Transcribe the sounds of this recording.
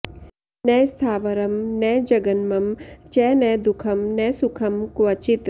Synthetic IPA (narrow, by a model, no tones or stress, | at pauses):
nɛːst̪ʰaːʋɐɾɐmnɛːd͡ʒɐɡɐnmɐmt͡ʃɛːnɛd̪ukʰɐmnɛsukʰɐmkʋɐt͡ʃit̪